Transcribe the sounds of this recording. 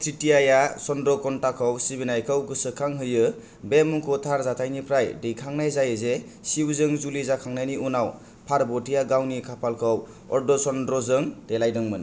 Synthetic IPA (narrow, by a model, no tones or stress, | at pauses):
tʰɾitiajasɔndɾɔkɔntakʰɔwsibinajkʰɯwɡɯsɯkʰaŋɦɯjɯ | bemuŋkʰɔtʰaɾzatʰajnipʰɾajdɯjkʰaŋnajzajɯze | siwzɯŋzulizakʰaŋnajniunaw | pʰaɾbɔtijaɡawnikʰapʰalkʰɯw | ɔ̰ɾdɔsɔndɾɔzɯŋtelajdɯŋmɯn